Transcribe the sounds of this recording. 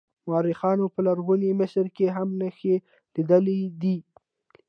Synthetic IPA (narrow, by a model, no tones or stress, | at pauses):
mɑɾɪxɑnopəlaɾɣunimɪʃɾkeɦamnəxe | lid̪əled̪i